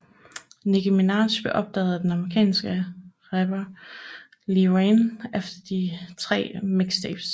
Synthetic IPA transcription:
niɡ̥imenɑ̈ːɕb̥eʔɒ̽b̥̚d̥ɛ̰ːð̩ˠæd̥enɑ̈mʁikʰɛ̰ːnsɡ̥əʁɛb̥ɐ | lienefd̥ɐd̥it͡sʰʁɛ̰ːmeɡ̥sd̥eːb̥s

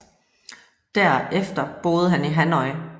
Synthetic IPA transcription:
d̥æɐ̰efd̥ɐb̥o̝ːð̞̩ˠəɦæniɦænɒɪ

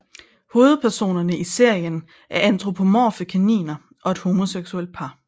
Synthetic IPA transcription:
ho̝ːð̩ˠpʰæɐso̝̰ːnɐnəise̝ɐ̰jən | ʔæɐænt͡sʰʁo̝pʰo̝mɒ̰ːfəkʰænḭːnɐ | ʔɒ̽e̝d̥ho̝ːmo̝seɡ̥suel̰d̥̚pʰɑ̈

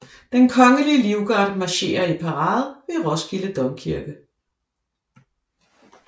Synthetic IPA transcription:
d̥enkʰɒ̽ŋəliəliʊɡ̥ɑ̈d̥mɑ̈ɕe̝̰ːɐipʰɑʁɑ̈ːð̩ˠʋeʁɒ̽sɡ̥iləd̥ɒmkʰiɐɡ̥ə

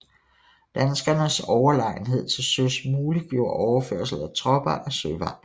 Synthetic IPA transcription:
d̥ænsɡ̥ɐnəsɒʊɐlɑ̈ɪ̰n̩ɦe̝ð̞̰ˠt͡sʰe̝lsøsmuːliɡ̥jo̝̰ɐ̰ɒʊɐfø̰ɐ̰sl̩ˠæt͡sʰʁɒ̽b̥ɐʔæsøʋɑ̰̈

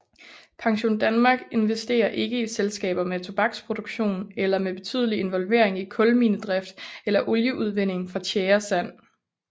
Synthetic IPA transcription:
pʰɑ̈ŋɕo̝̰ːnd̥ænmɑ̈ːɡ̥e̝nʋe̝sd̥e̝̰ːɐʔe̝ɡ̥əiselsɡ̥ɛ̰ːb̥ɐmet͡sʰo̝b̥ɑ̈ɡ̥spʰʁo̝d̥oɡ̥ɕo̝̰ːnelɐmeb̥e̝t͡sʰy̰ð̰ˠəlie̝nʋɒ̽lʋe̝̰ɐ̰e̝ŋikʰɔ̽lmiːnəd̥ʁɛfd̥elɐʔɔljəʔuð̞ˠʋen̰e̝ŋfʁɑ̈t͡ɕʰeːɐsæn̰

